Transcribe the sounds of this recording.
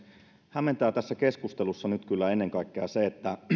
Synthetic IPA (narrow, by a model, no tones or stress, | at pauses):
hæmːent̪æːt̪æsːækeskust̪elusːɑnyt̪kylːæenːeŋkɑikːeɑseet̪ːæ